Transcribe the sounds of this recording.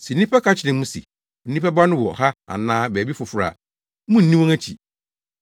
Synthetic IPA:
sɛ˨n̩˦ĩ˦pʰɛ˦kʰa˦t͡ɕʰɪ˨nɪ̃˨mũ˦sḭ˨ | n̩˦nĩ˦pɛ˦ba˦nʊ̃˦wɔ̰˨ha˦a̰˨nãː˦bæː˨bi˦fʊ˨fʊ˨ɾa̰˨ | mũ˦n̩˨nĩ˦wɔ̃˦ŋæ˦t͡ɕʰḭ˨

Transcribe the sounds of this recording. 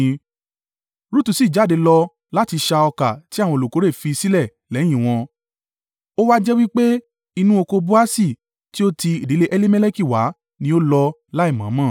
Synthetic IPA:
ɾu˦tu˨˧˨si˨˦˨d͡ʒa˨˦˨de˨˧lɔ˧ | la˦ti˧ʃa˧ɔ˧ka˨ti˨˦ã˦˨ɔ̃˧o˨o˨ko˨˦ɾe˦˨fi˧si˦lɛ˦˨ | lɛ˨˦j̃ĩ˦˨w̃ɔ̃˧ | o˦wa˦d͡ʒɛ˦wi˦k͡pe˦ | i˧nũ˦o˧ko˧bu˦a˦si˦˨ | ti˦o˦ti˧i˨di˨˦le˧ʔɛ˦li˦mɛ˦le˦ki˦˨wa̰˨˦ | nĩ˦o˦lɔ˧ | la˦i˦˨mã̰˨˦mã˦˨

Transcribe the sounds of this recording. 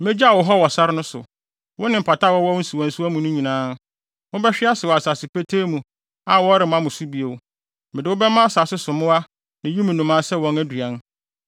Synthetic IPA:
mɛ˦d͡ʑa˦a˨wɔ˨ɦɔ˦wɔ˨sa˦ɾɪ˦nʊ̃˦sʊ̰˨ | wʊ˦nɪ̃˨m̩˨pʰa˨tʰa˦wɔ˦wɔ˦n̩˦si˨wɔ̃˨n̩˨su˦æ˦mũ˨nʊ̃˦ɲĩ˨nãː˦ | wʊ̃˦bɛ˦ɕᶣɪ˦a˦sɪ˨wɔ˨a˨sa˨sɪ˨pe˦tʰeː˦mũ˨ | a˨wɔ˦ɾɪ˨mã˦mʊ̃˨su˦bi˨o˨w | mɪ̃˨dɪ˨wʊ˦bɛ˦mã˦a˦saː˨sɪ˦sʊ˨mʊ̃˦a˦ | nɪ̃˨ju˦mĩ˨nũ˨mã˦sɛ˦wɔ̃˨næ˦dɥã˨˦n

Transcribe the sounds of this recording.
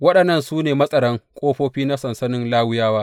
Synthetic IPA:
wɐ˦ɗɐ˨nːɐ˦˨nsuː˦neː˨mɐ˦sʼɐ˨ɽɐ˦ŋkʷʼoː˦ɸoː˦ɸiː˦na˦sɐ˨nsɐ˦nɪ˦nlaː˦wʊ˦jaː˦waː˦

